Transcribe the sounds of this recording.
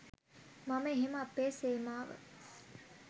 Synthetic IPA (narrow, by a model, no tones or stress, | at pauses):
maməeɦeməɐpːeːseːmaːʋə̰